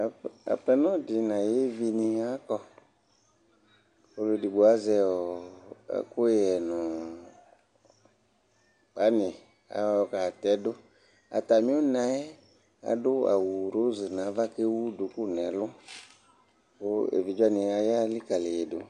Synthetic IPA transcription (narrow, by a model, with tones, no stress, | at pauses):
a̰˨pɛ˧nɔ̃˦dɪ˨nã˨je˦vi˧ni˧a˦kɔ˧ | o˧lo˧di˨ɡ͡bo˨a˦zɛ˧ɔ˨a̰˨kʊ˦jɛ˨nʊ̃˨ | k͡pa˨˦nɪ̃˨ | a̰˨˦ɔ˧ka˨tɛ˨˦dʊ˦ | a̰˨ta˨mĩ˦ʊ˦nã˦ɛ˦ | a̰˨dʊ˦a̰˨wu˨ɾo˦zɨ˨nã˨˦va˦ke˦wu˦du˨ku˦˨nɛ˨lʊ˦ | kʊ˦ḛ˨vi˨d͡ʒa˦nĩ˧a˧ja˦li˦ka˨le˨je˨dʊ˨